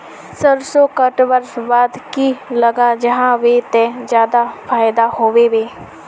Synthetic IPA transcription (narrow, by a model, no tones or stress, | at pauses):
səɾsokəʈwəɾbaːd̪kiləɡad͡ʒəɦãʋeːt̪ẽd͡ʒjaːd̪afʰaːjd̪ahoːʋeʋeː